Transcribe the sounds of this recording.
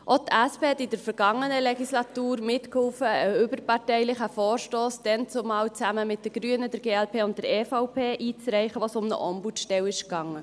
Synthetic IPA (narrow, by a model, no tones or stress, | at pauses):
ʔotæspeːɛt̪ɪd̥əɾfəɾɡ̥ɑŋːənəleɡislɑt̪uːɾmɪtkhʊːfəːʏbəɾpɑɾtɛɪlɪχəfɔːɾʃtoːsd̪̥ɛnt͡sʊmɑːwt͡sæməmɪt̚d̥ɛɡ̥ɾyənədɛɾɡeːælpʰeːʊnt̚d̥ɛɾeːfaʊpʰeːʔiːt͡sɾɛɪχəʋosʊmnə̰ʔɔmbutʃtɛwɪʃkɑŋːə